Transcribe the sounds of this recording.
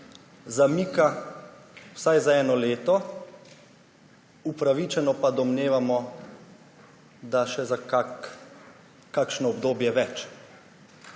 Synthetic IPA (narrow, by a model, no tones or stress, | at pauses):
zamiːka | wsajzaɛːnɔleːt̪ɔ | upɾaʋit͡ʃɛnɔpad̪ɔmneːʋamɔ | d̪aʃɛzaka | kakʃnɔɔbd̪oːbjɛʋɛt͡ʃ